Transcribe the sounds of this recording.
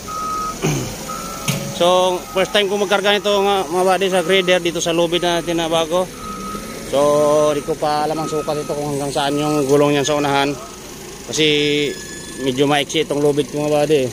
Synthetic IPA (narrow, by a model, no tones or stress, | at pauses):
sɔpɛrst̪aimkumaɡarɡanit̪uŋamabadɛs̬aɡɾidɛrdit̪usalɔbit̪̚nat̪inabaɡɔ | sɔdikupalamaŋsukat̪it̪ukɔŋaŋɡaŋsaːnjɔŋɡɔlɔŋjaŋsaunaɦan | pasi | mid͡ʒumaik̚sit̪ɔŋlɔbit̪̚kuŋabadɛ